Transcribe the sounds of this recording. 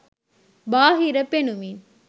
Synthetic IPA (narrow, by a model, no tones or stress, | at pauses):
baːɦɪɾɐpenɯmin